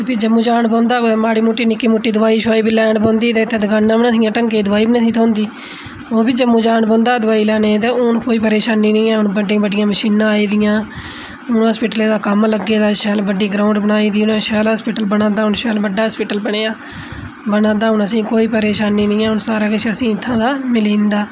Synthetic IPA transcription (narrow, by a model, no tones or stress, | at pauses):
t̪epʰɪd͡ʒəmũːd͡ʒaːɳpɔ̃ːnd̪aːmaːɽiːmuʈːiːnɪkːiːmuʈːiːd̪ʊʋaːiːʃaːiːbilɛːɳbɔ̃ːnd̪iːt̪ẽːt̪ʰːẽːd̪əɡaːnːãːbənasĩjãːʈəŋkeːd̪ʊʋaːiːbiːnət̪ʰiːt̪ʰõːnd̪iː | oːbiːd͡ʒəmːũːd͡ʒaːɳbɔ̃ːnd̪aːd̪ʊʋaːiːlɛːnẽːt̪ẽːʊnkoːiːpəɾeːʃaːnːĩːnĩːɛ̃ːʊnbəɖɪ̃ːbəɖɪjãːməʃiːnãːaːiːd̪ɪjãː | ʊnɦəːspɪʈəleːd̪aːkəmləɡːeːd̪aːʃɛːlbəɖiːɡɾaːʊɳɖbənaːiːd̪iːʊnãːʃɛːlɦəspɪʈəlbənãːd̪aːɦʊnʃɛːlbəɖːaːspɪːʈəlbəɽeːaː | bənãːd̪aːɦʊnəsĩːkoːiːpəɾeːʃaːnːiːnĩːɛːʊnsaːɾaːkɪt͡ʃʰəsĩːɪt̪ʰːãːd̪aːmɪliːnd̪aː